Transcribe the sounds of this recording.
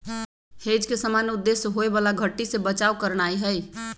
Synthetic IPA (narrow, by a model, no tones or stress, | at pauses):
hed͡ʒkesəmanud̪ːesɦoebalaɡʱəʈːisebət͡ʃaukəɾɽ̃aiɦəj